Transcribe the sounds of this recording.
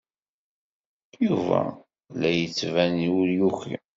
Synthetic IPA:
juvæ̰ | læjət͡sːvæniuljuçḭ

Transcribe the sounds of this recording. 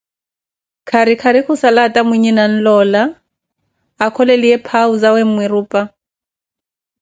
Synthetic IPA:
kʰaɾikʰaɾikʰʊsalatʼamwiɲinan̩lɔːla | kʰɔleliɛpʰauzawem̩mwɪruːpʼa

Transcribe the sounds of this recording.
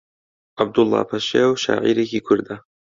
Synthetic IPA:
ʔab̚d̪ʊlˠˤːɑ̰ːpʰɐʃawʃa̰ːʕḭːɾekiːkʰʊɾd̪a

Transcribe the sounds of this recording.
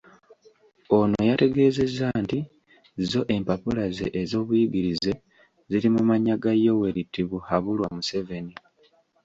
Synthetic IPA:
o̞nojate̞ɡe̞ːze̞zanti | zo̞ʔe̞mpapulazḛʔezo̞ːβuiɡiɾize̞ | ziɾimumaɲaɡajo̞we̞ɾitːiβuhaβulwamuse̞ve̞ni

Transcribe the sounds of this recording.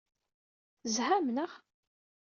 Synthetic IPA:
zhæmnəʁ

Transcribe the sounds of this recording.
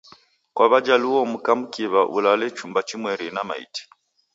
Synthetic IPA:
kwaβad͡ʒaluɔm̩kam̩kiβaʔṵlalɛt͡ʃumbat͡ʃimwɛɾinama̰ḭti̥

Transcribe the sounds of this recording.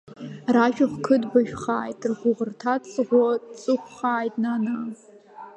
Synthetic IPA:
raʃᶣaχʷkʰɨdbaʒᶣχaːjtʼrχʷʊʁərtʰat͡sʼʁʷɔt͡sʼɨχʷʰχaːjtʼnana

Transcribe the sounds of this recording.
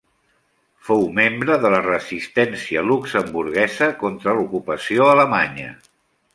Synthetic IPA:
fowmembɾəðələrəzist̪ɛnsiəluksəmbuɾɣɛzəkont̪ɾəlukupəsioələmaɲə̰

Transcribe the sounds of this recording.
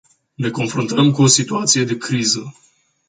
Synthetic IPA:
ne̞ko̞nfɾunt̪əmkuo̞sit̪uat̪sije̞d̪e̞kɾizə

